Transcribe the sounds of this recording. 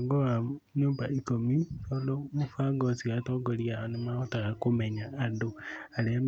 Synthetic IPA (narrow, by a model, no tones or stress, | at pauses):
ŋɡoaɲoːmbaʔikomisɔlɔmofaŋɡɔsiɣatoŋɡoɾiaonemaotaɣakomeɲaːndoaɾeam